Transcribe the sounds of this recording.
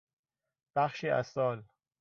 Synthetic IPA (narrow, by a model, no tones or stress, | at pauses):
b̥æχʃiːʔæ̰sɒːl